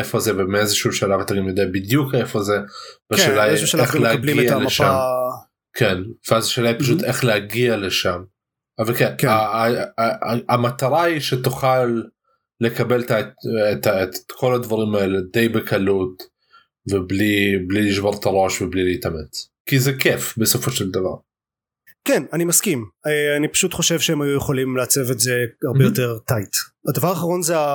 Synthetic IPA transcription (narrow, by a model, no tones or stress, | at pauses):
ʔefozevemeʔezʃulʃalavat̪aɡimjod̪eʔabɪd̪juːkʔefozebaʃelaexlehɡialeʃam | kʰenv̥eʔazaʃelaipaʃuːt̪ʔexleaɡialeʃam | ʔavalkenka | amat̪ɑɾˤɑiʃet̪ʊxaːlː | ekabelt̪at̪akʰolːad̪vɑɾimeld̪ejbekʰalːuːt̪ | veblibliljɪʃbɑɾt̪ɑɾˤoʃveblilijt̪amet͡s | kizekefbesofoʃeld̪avɑ̰ʁ | kenanimaskimeanipḁʃut̪χoʃevʃehemhajujeχolimlaat͡sevetzeaʁbejot̪eʁt̪ait̪ad̪avaʁaːχaʁo̞nzea